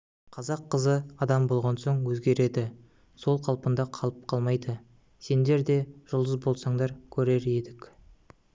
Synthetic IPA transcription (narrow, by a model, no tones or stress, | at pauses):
qʰɑzɑqʰːəzəɑd̪ɑmbo̞lˠʁɑnso̞ɴwɵzɡʲe̞ɾe̞d̪ɪ | so̞lˠqʰɑlˠpənd̪ɑqʰɑlˠəp̚qʰɑlˠmɑjd̪ə | se̞nd̪e̞ɾd̪e̞ʒ̥ʊlˠd̪əzbo̞lˠsɑɴd̪ɑɾkʲʰɵɾe̞ɾe̞d̪ɪk